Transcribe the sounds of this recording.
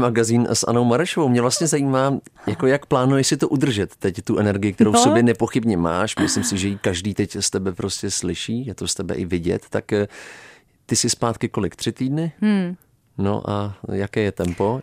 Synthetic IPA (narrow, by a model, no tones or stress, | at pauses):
maɡaziːnsʔa̰nowmaɾɛʃovowmɲɛvlast̪ɲɛzajiːmaːjako̞jakplaːnujɛʃsɪt̪oʔud̪r̩ʒɛt̪ːɛct̪uʔɛnɛɾɡɪjɪk̚t̪ɛɾowssobjɛnɛpo̞xɪbɲɛma̰ːʃmɪslɪmsɪʒɛjikaʒdiːt̪ɛcst̪ɛbɛpɾoscɛslɪʃiːjɛt̪o̞st̪ɛbɛ̰ʔɪvɪɟɛ̰t̪ːak | t̪ɪsɪspaːt̪kɪko̞lɪkt̪r̥ɪt̪iːdnɪ | no̰ʔa̰jakɛːjɛt̪ɛmpo̞